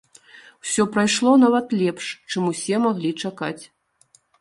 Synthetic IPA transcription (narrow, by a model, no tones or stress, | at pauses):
w̥sʲɔpɾajʂlˠɔnavɐt̪lʲɛpʂt͡ʂɨmusʲɛmaɣlʲit͡ʂakat͡sʲ